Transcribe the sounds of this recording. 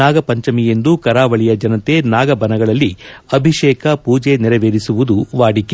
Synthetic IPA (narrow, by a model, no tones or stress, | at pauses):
aːɡɐpɐɲt͡ʃɐmije̞nd̪ukɐɾaːʋɐɭijɐd͡ʒɐnɐt̪e̞naːɡɐbɐnɐɡɐɭɐlːiɐbʱiʃɛːkʰɐpuːd͡ʒeniɾɐʋeːɾisuʋud̪uʋaːɽike